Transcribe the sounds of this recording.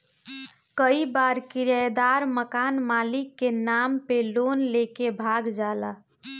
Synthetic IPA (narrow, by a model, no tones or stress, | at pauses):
kəibaɾkiɾəjd̪aɾməkanmalikːenampelonlekebʱaɡd͡ʒalə